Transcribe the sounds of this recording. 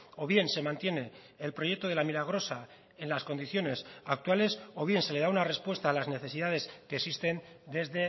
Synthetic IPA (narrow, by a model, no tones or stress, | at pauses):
o̞βje̞nse̞mãnt̪je̞ne̞ː | lpɾo̞je̞k̚t̪oð̞eamilaɣ̞ɾo̞sa | e̞nlasko̞nd̪iθjo̞ne̞sak̚t̪wale̞so̞βje̞nse̞le̞ðaunare̞spwe̞st̪aːlazne̞θe̞siðað̞e̞skeːksist̪e̞nd̪e̞zðe̞